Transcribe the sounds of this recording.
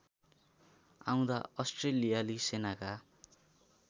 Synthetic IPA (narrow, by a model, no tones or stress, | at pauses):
ã̰w̃d̪aʌsʈrelijalisenaka